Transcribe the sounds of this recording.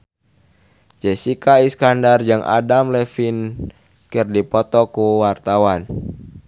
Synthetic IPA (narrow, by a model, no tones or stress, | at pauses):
d͡ʒɛsikaiskandard͡ʒɨŋʔa̰damlɛfin | kɨrdipɔt̪ɔkuwart̪awan